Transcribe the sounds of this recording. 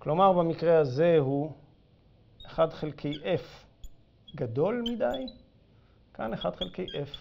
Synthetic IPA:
klo̞maʁbamikʁeaze̞ɦu | eχadχelkʰe̞jʔef | ɡad̪o̞lmid̪aj | kaneχadχelkejʔef

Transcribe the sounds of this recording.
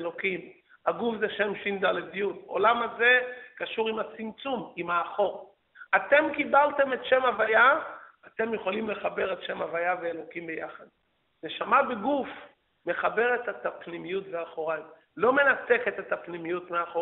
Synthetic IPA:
elo̞kim | aɡufzeʃe̞mʃimd̪aledijuto̰lamaze̞kaʃuʁimat͡simt͡sumimaːχo̞ʁ | ate̞mkibalte̞me̞tʃe̞mavaja | at̪e̞mjeχolimle̞χabe̞ʁe̞tʃe̞mavajaveelo̞kimbejaχad̚ | ne̞ʃamabeɡuf | me̞χabe̞ʁe̞tet̪apnimijutveaχo̞ʁajm | lo̞me̞nate̞ket̪et̪apnimijutmeaχo

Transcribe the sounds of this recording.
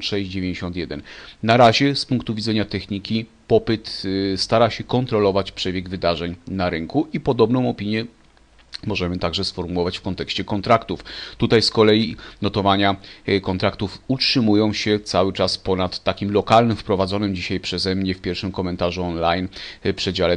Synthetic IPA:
ʂɛɕd͡ʑd͡ʑevʲjẽɲd͡ʑeɕɔ̃nt̪ʲjɛd̪ɛnnaɾaʑɛspuŋk̚t̪uvʲid̪zɛɲat̪ɛxɲikʲipɔpɘt̪st̪aɾaɕɛkɔnt̪ɾɔlɔvat͡ɕpʂɛbʲjɛɡvɘd̪aʐɛɲnaɾɘŋkuʔipɔd̪ɔbnɔ̃w̃ɔpʲiɲjɛ | mɔʐɛmɘt̪aɡʐɛsfɔɾmuwɔvat͡ɕfkɔnt̪ɛkɕt͡ɕɛkɔnt̪ɾakt̪uft̪ut̪ajskɔlɛjinɔt̪ɔvaɲakɔnt̪ɾakt̪ufutʂɘmujɔ̃w̃ɕɛt̪sawɘt͡ʂaspɔnat̪ːakʲimlɔkalnɘmfpɾɔvad̪zɔnɘmd͡ʑiɕajpʂɛzɛmɲɛfpʲjɛɾfʂɘmkɔmɛnt̪aʐuɔnlajnpʂɛd͡ʑalɛ

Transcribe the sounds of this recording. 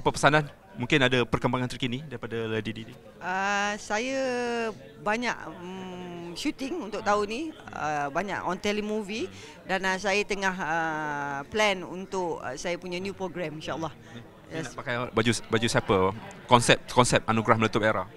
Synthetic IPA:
apəpəsanan | mũŋkɪnadapərkəmbaŋant̪ərkinidaɾipadaladididi | əsajə | baɲa̰ʔ | ʃut̪ɪŋunt̪ʊʔ̚t̪auniə̰baɲa̰ʔɔnt̪ɛlimuvi | danəsajət̪əŋaɦəplɛnṵnt̪ʊʔsajəpuɲanjupɾoɡɾɛmĩnʃaʔəlːɑh | japakajbad͡ʒubad͡ʒusapəkɔnsɛp̚kɔnsɛp̚anuɡɾahmələt̪ʊp̚eɾa

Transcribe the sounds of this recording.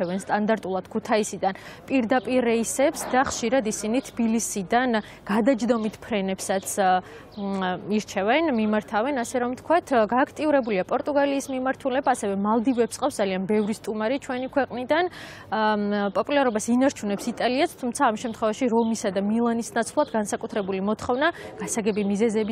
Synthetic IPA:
ɛvɛnst̪ʼand̪aɾt̪ʼulˠad̪̥kʰut̪ʰaisid̪an | pʼiɾd̪apʼiɾɛisɛpsd̪aχʃiɾad̪isinit̪ʰbilisid̪an | ɡ̥ad̪ad͡ʒd̪ɔmit̪ʰpʰɾɛnɛpsat̪sʰ | iɾt͡ʃʰɛvɛnmimaɾt̪ʰavɛnasɛɾɔmt̪ʰkʰwat̪ʰɡaːkʰt̪ʼiuɾɛbuliapʼɔɾt̪ʼuɡaliːsmimaɾt̪ʰulɛbaːsɛvɛmalˠd̪ivɛpsqʼafsd̪zalianbɛvɾist̪ʼumaɾit͡ʃʰwɛnikʰwɛqʼnid̪an | pʼɔpʼulaɾɔbasinaɾt͡ʃʰunɛpsit̪ʼaliast̪ʰumt̪sʰaːmʃɛmt̪ʰχwɛvaʃiɾɔmisad̪amilˠanisnat̪sʰvlˠad̪ɡansakʼut̪ʰɾɛbulimɔt̪ʰχɔvnaɡ̥asaɡɛbimizɛzɛbi

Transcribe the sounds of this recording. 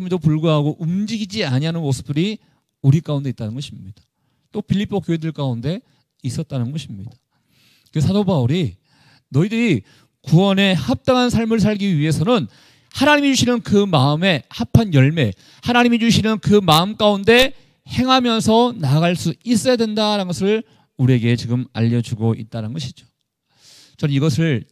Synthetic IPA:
midopuɭɡuɦaɡoʔumd͡ʑiɡid͡ʑiaɲiɦanɯnmosʰɯ̥p̚t͈ɯɾi | uɾik͈aunde̞it͈anɯnɡʌɕʰimɲid̥ḁ | t͈opiʎːipʰːokjoɦedɯɭk͈aunde̞ | is͈ʌt̚t͈anɯnɡʌɕʰimɲid̥ḁ | esʰadobauɾi | nʌidɯɾi | kuwʌne̞hap̚t͈aŋɦansʰaɭmɯɭs̬ʰaɭɡiɥiɦe̞sʰʌnɯn | hanaɲimit͡ɕuɕʰinɯnkɯmaɯme̞hapʰanjʌɭme̞ | hanaɲimid͡ʑuɕʰinɯnkɯmaɯmk͈aunde̞ | he̞ŋɦamjʌnsʰʌnaɡaɭs͈uis͈ʌjadwe̞ndaɾanɡʌsʰɯɭ | uɾie̞ɡe̞t͡ɕiɡɯma̰ʎːʌd͡ʑuɡoit̚t͈anɯnɡʌɕʰid͡ʑo̥ | t͡ɕʌnniɡʌsʰɯɭ

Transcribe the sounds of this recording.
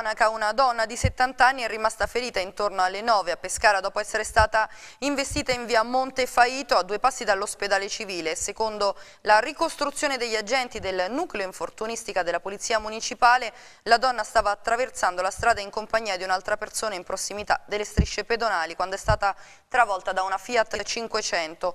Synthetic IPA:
nakaunad̪ɔnːad̪iset̪ːant̪anːiɛrːimast̪afeɾiːt̪aint̪ornoalːenɔːveapːeskaːɾad̪ɔːpoɛsːeɾest̪aːt̪aiɱvest̪iːt̪aiɱviːamont̪efaiːt̪oad̪ːuepasːid̪alːosped̪aːlet͡ʃiviːlesekond̪o | larikost̪ɾut̪sjoːned̪eʎːad͡ʒɛnt̪id̪elnukleoiɱfort̪unist̪ikad̪elapolit̪sːiamunit͡ʃipaːle | lad̪ɔnːast̪aːvaːt̪ːɾavert̪sand̪olast̪ɾaːd̪aiŋkompaɲːiːad̪iunalt̪ɾapersoːnaimpɾosːimit̪a̰d̪elːest̪ɾiʃːeped̪onaːlikwand̪oɛst̪aːt̪a | t̪ɾavɔlt̪ad̪aunafiːat̪ːt͡ʃiŋkwet͡ʃɛnt̪o

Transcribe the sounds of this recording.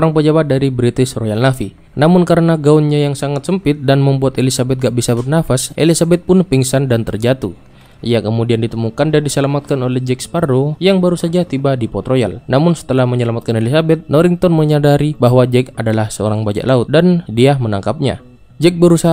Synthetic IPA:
oɾaŋpəd͡ʒabat̪̚daɾibɾit̪ɪsrojalnafi | namʊnkaɾənaɡaunɲajaŋsaŋat̪səmpɪt̪̚danməmbuat̪elisabɛt̪̚ɡaʔbisabərnafasʔḛlisabɛt̪̚pʊnpiŋsandant̪ərd͡ʒat̪u | ijakəmudiandit̪əmukandandisəlamat̪̚kanolɛhd͡ʒɛk̚spardojaŋbaɾusad͡ʒat̪ibadipɔt̪roja̰lnamʊnsə̥t̪əlahməɲəlamat̪̚kanelisabɛt̪̚nɔɾɪŋt̪ɔnməɲadaɾibaɦwad͡ʒɛkadalahsəo̰ɾaŋbad͡ʒa̰ʔlaʊt̪̚dandiamənaŋkap̚ɲa̰ | d͡ʒɛk̚bəɾusa

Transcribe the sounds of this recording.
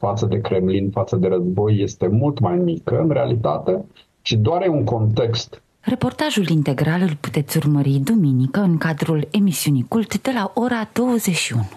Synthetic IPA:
fat̪səd̪e̞kɾe̞mlinfat̪səd̪e̞ɾəzbo̞jːe̞st̪e̞mult̪majmikəɨnɾealit̪a̰t̪e̞ | t͡ʃid̪oaɾjeuŋko̞nt̪e̞kst̪ | re̞po̞rt̪aʒulint̪e̞ɡɾalɨlpu̥t̪e̞t̪sʲurməɾid̪uminikəɨŋkad̪ɾule̞misiunijkult̪d̪e̞laʔo̞ɾad̪̥o̞wəzeʃiunu̥

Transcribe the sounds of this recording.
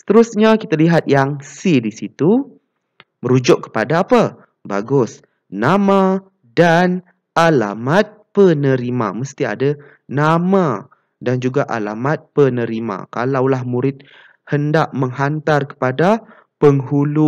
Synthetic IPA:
sə̥t̪əɾusɲakit̪aliɦat̪̚jaŋsidisit̪u | məɾud͡ʒʊʔkːə̥padaːpa | baɡʊs | nama | dan | ʔala̰mat̪̚pənəɾima̰məst̪ia̰da | nama | dand͡ʒuɡaʔa̰lamat̪̚pənəɾima̰kalawlahmuɾɪt̪̚ | həndaʔməŋɦant̪arkə̥pada | pəŋɦulu

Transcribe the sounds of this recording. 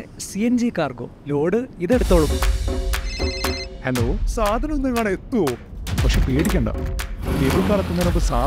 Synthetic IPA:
siend͡ʑikaːrɡo̰ːlo̞ːɖɨiðeɽut̪ːoːɭukːu | henoːsaːd̪ʱɐnɐmenːɐŋːaːɳet̪ːuoː | pɐkʂepeːɽikʲːɐɳɖɐ̰d̪eʋukːaːɳɐt̪ːunːɐnokːɨsaː

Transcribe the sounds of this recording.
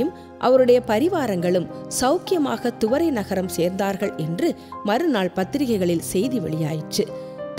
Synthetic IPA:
ɯm | ʔɐ̰ʋɐɾɯɽɐjɐpɐɾɪʋaːɾɐŋɡɐɭɯmsɐʊkɪjɐmaːɣɐt̪ʊʋɐɾɐɪnɐɣɐɾɐmseːɾnd̪aːɾɣɐɭʔɛndrɯ | mɐɾɯnaːɭpɐt̪ːɪɾɪɣɐɪɣɐɭɪlsɛjðiʋɛ̰ɭɪjaːjɪt͡ʃːɯ | t

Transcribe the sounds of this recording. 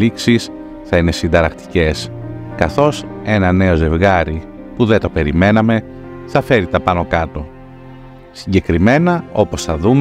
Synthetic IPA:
iksis | θɐine̞sind̪ɐɾɐkt̪i̥ce̞skɐθo̞se̞nɐne̞o̞ze̞vɣɐɾipuðet̪ope̞ɾime̞nɐme̞ | θɐfe̞ɾit̪ɐpɐno̞kɐt̪o̞ | siɲɟe̞kɾime̞nɐo̞po̞sθɐðum

